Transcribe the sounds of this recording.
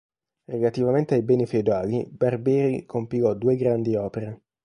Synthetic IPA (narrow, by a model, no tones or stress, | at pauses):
relat̪ivament̪eajbɛːnifeud̪aːlibarbɛːɾikʰompikɔd̪uːeɡɾand̪iɔːpeɾe